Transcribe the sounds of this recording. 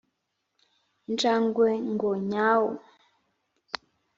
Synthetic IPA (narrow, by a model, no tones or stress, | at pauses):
n̩t͡ʃaŋɡwɛŋɡɔɲawɔ